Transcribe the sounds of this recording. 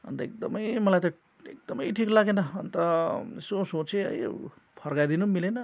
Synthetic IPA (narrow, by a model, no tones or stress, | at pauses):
ʌ̰nt̪ʌek̚d̪ʌmʌjmʌlajt̪ʌ | ḛk̚d̪ʌmʌjʈʰiklaɡenʌʌnt̪ʌsosot͡seɦʌ̰j | pʰʌrɡajd̪inumilenʌ